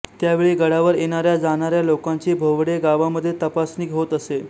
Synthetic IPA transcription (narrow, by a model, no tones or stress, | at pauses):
t̪jaʋeɭiːɡəɽaʋəɾjeɽ̃aɾjad͡zaɽ̃aɾjalokaɲt͡ɕiːbʱoʋɽeɡaʋaməd̪ʱːjet̪əpasniːkɦot̪əse